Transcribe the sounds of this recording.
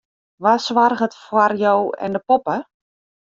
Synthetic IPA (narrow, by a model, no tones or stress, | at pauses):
ʋasʋarɣətfwarjowɛ̰ndəpopə